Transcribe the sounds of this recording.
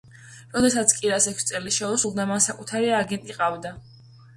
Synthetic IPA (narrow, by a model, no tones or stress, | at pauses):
ɾɔd̪ɛsat̪sʰkʼiɾasɛkʰsit̪sʼɛliʃɛusulˠd̪amansakʼut̪ʰaɾiaɡɛnt̪ʼiqʼavd̪a